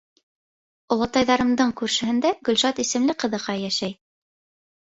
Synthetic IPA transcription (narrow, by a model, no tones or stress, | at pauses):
ŏlˠɤ̆t̪ɑjðɑɾɤ̆md̪ɤɴkʉɾʃɘ̆hɘ̆nd̪æɡɵ̆lʲʃɑt̪isɘ̆mlɘqɤ̆ðɤ̆qɑjæʃæj